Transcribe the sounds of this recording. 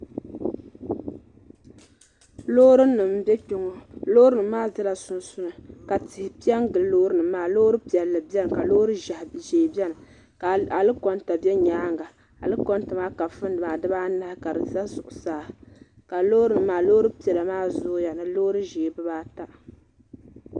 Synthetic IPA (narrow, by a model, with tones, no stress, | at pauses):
lo˦ɾɨː˦ɨ˨m̩˦bɛ˦k͡po˨ŋɔ˨lo˦ɾɨ˦nɨ˨˦maː˦zɨ˦la˨sʊ˨nsʊ˦nɨ˨ka˨tɪ˨hɪ˨pi˦ɛ˦ŋ˦ɡɨ˨lloː˦ɾɨ˦nɨ˨maː˨˦loː˦ɾɨ˦pi˨ɛ˨lːɨ˨bɛ˦nɨ˨ka˨lo˦ɾɨ˦ʒa˨hʒeː˨bɛ˦nɨ˨ | a˨lɨ˦kɔ˨nta˨bɛ˦ɲaː˦ŋɡa˨ | a̰˨lɨ˦kɔ˦ntɨ˨maː˦ka˨fɨ˦n˦dɨ˨maː˨dɨ˦baː˦na˦hka˨dɨ˨za˦zʊ˨ʔʊ˨saː˨˦˨ka˨loː˦ɾɨ˦nɨ˨maː˨loː˦ɾɨ˦pi˨ɛ˨la˨maː˦zʊ˦ja˨nɨ˨loː˦ɾɨ˦ʒeː˨bɨ˦baː˦ta˦ʔ